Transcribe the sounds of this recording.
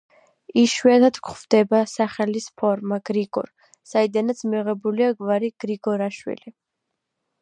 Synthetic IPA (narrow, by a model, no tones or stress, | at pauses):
iʃwɛt̪ʰat̪ʰkχvd̪̥ɛbasaχɛlispʰɔɾmaɡ̥ɾiɡɔ̰ɾ | said̪anat̪sʰmiʁɛbuliaɡvaɾiɡ̥ɾiɡɔɾaʃwḭli